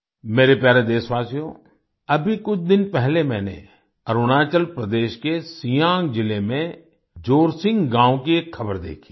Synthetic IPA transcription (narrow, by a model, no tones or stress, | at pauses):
meːɾepjaːɾed̪eːsʋaːsijõ | ɐbʱikʊt͡ʃʰd̪ɪnpɛɦlemɛ̃ːnḛ | ɐɾʊnaːt͡ʃəlpɾɐd̪eːʃkesijãːŋɡd͡ʒɪlemẽ | d͡ʒoːɾsɪ̃ŋɡɡãːwkieːkʰːɐbəɾd̪ḛːkʰi̥ː